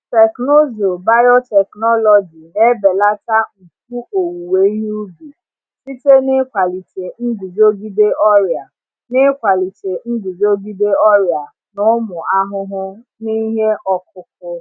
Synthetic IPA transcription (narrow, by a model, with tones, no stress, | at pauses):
tɛ˨kno˦zo˨ba˦jɔ˦tɛ˨knɔ˦lɔ˨d͡ʒi˨ne˦be˨la˦ta˦m̩˨k̚u˦ʔo˨wu˨we˨i˦ɦu˦bu˨ | si˦te˦nɪ˦kʷa˨li˨t͡ʃe˨n̩˦du˨d͡ʒo˦ɡi˦de˦ʔɔ˦ɾja˨ | nɪ˦kʷa˨li˨t͡ʃe˨n̩˦du˨d͡ʒo˦ɡi˦de˦ɔ˦ɾja˨ | nʊ˦mʊ˨a˦ɦʊ˦ɦʊ˦ | ni˦ɦe˦ʔɔ˦k̚ʊ˦k̚ʊ˦